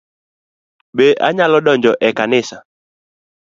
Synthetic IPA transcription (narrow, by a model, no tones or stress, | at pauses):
ɓɛʔa̰ɲalɔɗɔnd͡ʒɔʔɛkanɪsa